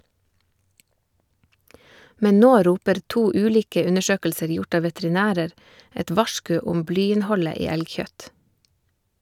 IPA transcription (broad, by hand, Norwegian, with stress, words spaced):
ˈmɛn ˈnoː ˈɾuːpəɾ ˈtuː ˈʉːliːkə ˈʉnəˌʃøːkl̩səɾ ˈjʊʈ ˈɑː ʋɛtɾɪˈnæːɾəɾ ˈɛt ˈʋɑʃkʉ ˈʊm ˈblyːɪnˌhɔlə ˈiː ˈɛlˌçœt